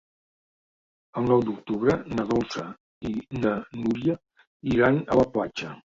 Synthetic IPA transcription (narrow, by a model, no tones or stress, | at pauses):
əlˠnɔwd̪uk̚t̪uβɾənəðɔlˠsə | inənuɾiə | iɾanə̰ləplat͡ʃə